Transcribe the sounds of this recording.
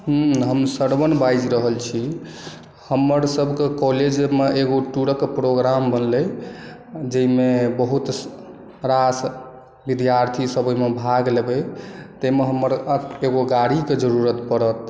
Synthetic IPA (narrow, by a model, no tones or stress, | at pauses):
ɦ̩ɦəmsəɽbənbajd͡ʒɾəɦəlt͡ʃʰi | həmːəɾsəbʱkekɔled͡ʒmeʔeɡoʈuɽəkpɾoɡɾambənlə | d͡ʒəimebəɦut̪ | ɾas | bid̪jaɾt̪ʰisəbəmebʱaɡlebet̪əmeɦəmːəɾeɡoɡaɽiked͡ʒəɾuɾət̪pəɽət̪